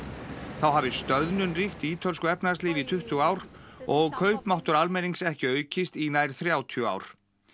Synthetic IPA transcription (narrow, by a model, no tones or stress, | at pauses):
θawɦaːvɪst̪œðnʏnrixt̪iːt̪ʰœlskʏɛpnast̪liːvɪit̪ʰʏht̪ʏaːwɾɔɣkʰœːɥpmawht̪ʏɾalmɛniŋksɛhcɪœːɥcɪst̪inaːjɾ̥θɾjaːwt̪ʰiʏa̰ːwɾ̥